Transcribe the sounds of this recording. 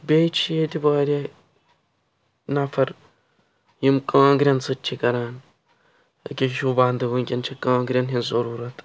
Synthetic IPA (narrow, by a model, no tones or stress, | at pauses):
beːt͡ʃʰijet̪ibɐːɾʲe | nɐfɐɾ | jimkɐːŋɡɾʲɐnsɨt͡ʃʰːikɐɾaːn | ɐ̰kʲiʃubaːnd̪ɨbɨŋkʲint͡ʃʰikãːŋɡɾʲɐnɦinzɐɾuːɾɐt̪